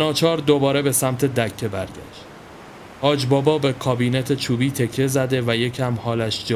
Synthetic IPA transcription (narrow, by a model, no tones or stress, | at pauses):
nɒːt͡ʃʰɒːɾd̪obɒːɾe̞be̞sæmt̪ʰe̞d̪æcʰːe̞bæɾɟæ̰ʃd̪ | ʔɒːd͡ʒbɒːbɒːbe̞kʰɒːbiːnet̪ʰet͡ʃʰuːbiːt̪ʰe̞cʰːe̞zæd̪e̞væje̞cʰæmhɒːlæʃd͡ʒː